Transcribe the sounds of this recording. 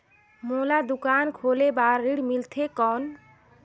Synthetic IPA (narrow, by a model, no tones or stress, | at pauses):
molad̪ukankʰolebaɾːiɽmilt̪ʰekɔn